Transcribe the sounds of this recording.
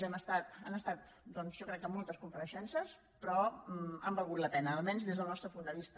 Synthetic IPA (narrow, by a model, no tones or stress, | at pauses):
ɛməst̪at̪anəst̪at̪ | d̪ɔnzʒɔkɾɛkːəmːɔlˠt̪əskumpəɾəʃɛnsəs | pɾɔəmbəlˠɣut̪lˠəpɛnəːlˠmɛnzðezðəlˠnɔst̪ɾəpund̪əβist̪ə